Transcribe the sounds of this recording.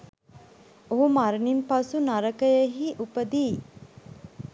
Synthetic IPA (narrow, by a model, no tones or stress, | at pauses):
oɦumaɾnimpasunaɾəkəjəɦiʔupəd̪iː